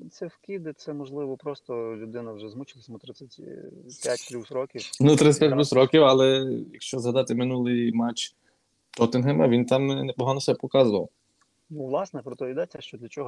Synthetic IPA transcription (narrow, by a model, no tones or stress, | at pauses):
t̪sɛwkʲid̪ɪt̪sɛmɔʒlˠɪʋɔpɾɔst̪ɔlʲʊd̪ɪnɐwʒɛzmut͡ʃɪlˠɐsʲɐmɔt̪ɾɪt͡sʲːɐtʲpʲjatʲk̪ɾʲuwsɾɔkʲiwnut̪ɾɪtsʲɐ̥tʲpʲjat̪ʲlʲɾʲusɾɔkʲiwɐlˠɛjɐkʃt͡ʃɔzɦɐd̪ɑt̪ɪmɪnulˠɪjmat͡ʃ | t̪ɔt̪ɪnɦɛmɐ̰ʋʲint̪ɑmnepɔɦɑnɔsɛbɛpɔkɑzʊʋɐ̰w | nuʋlˠɑsnɛpɾɔt̪ɔid̪ɛt͡sʲːɐʃt͡ʃɔd̪lʲɐt͡ʃɔɦɔ